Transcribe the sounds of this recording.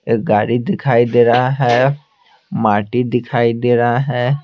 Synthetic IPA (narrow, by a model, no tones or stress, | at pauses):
eɡaːɾid̪ɪkʰaːid̪eɾaɦɛ | maʈid̪ɪkʰaːid̪eɾaɦɛ